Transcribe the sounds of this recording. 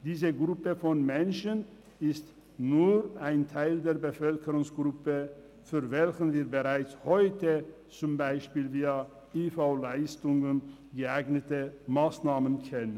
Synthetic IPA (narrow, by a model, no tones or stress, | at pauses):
d̥iːzəɡʁʊpəfɔnmɛnʃən | ɪst | nuːʁʔaɪntʰaɪldeːɐbəfœlkəʁʊŋsɡ̥ʁʊpə | fyːɐvɛlçən̩viːɐbəʁaɪt͡shɔʏtə | t͡sʊmbaɪʃpiːlviːɐ | ʔiːfaʊlaɪstʊŋən | ɡəaɪɡnətəmaːsnaːmənkʰɛnən